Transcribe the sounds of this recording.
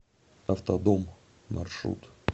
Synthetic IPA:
ɐft̪ɐd̪omː | ɐ̰rʂɾṵt̪

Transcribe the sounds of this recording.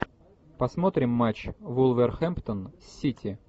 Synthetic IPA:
pɐsmot̪ɾʲɪmːat͡ɕvulˠvʲərxɛmpt̪ənsʲːitʲʰɪ

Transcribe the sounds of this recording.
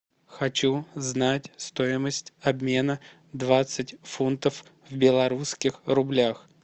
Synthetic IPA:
xɐt͡ɕuznatʲst̪o̞ɪməsʲtʲɐbmʲe̞nə | d̪vat̪sɨtʲfunt̪əf | vbʲɪlˠɐɾuskʲɪxrʊblʲax

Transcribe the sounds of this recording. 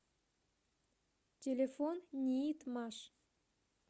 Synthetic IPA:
tʲelʲefonnʲijit̪mɑʃ

